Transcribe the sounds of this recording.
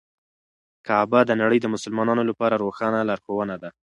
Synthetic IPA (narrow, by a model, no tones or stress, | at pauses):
kɑbad̪ənaɽəjd̪əmʊsʊlmɑnɑnolapɑɾaɾoxɑnalɑɾxowənad̪a